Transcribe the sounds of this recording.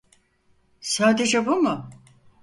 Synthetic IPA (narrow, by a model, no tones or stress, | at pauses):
saːd̪e̞d͡ʒɛbumʊ